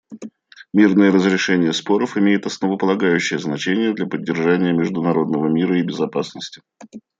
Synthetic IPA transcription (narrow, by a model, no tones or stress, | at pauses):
mʲirnəjəɾəzɾʲɪʂɛnʲɪjəspo̞ɾəfɪmʲejɪt̪ɐsnəvəpəlˠɐɡajʉɕːɪjəznɐt͡ɕenʲɪjəd̪lʲapədʲːɪrʐanʲɪjəmʲɪʐd̪ʊnɐɾo̞d̪nəvəmʲiɾəɪbʲɪzɐpasnəsʲtʲɪ̥